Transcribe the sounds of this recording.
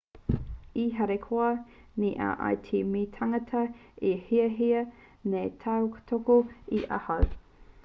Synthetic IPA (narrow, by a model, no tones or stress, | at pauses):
iɦɐɾekʰoɐniʔa̰ʔa̰jtʰimit̪ʰɐŋɐt̪ʰɐihiɐɦiɐ | net̪ʰɐwkt̪ʰokoiʔɐ̰hɐw